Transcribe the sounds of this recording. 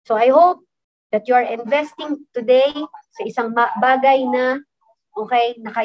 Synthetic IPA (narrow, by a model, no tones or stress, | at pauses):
soɐjhop̚ | d̪̥ɐt̪̚juɐɹɪ̃nvɛst̪ɪŋt̪ʊd̪ejsɐʔɪsaŋbaːɡɐjnɐ | ʔoːkɛjnɐkɐ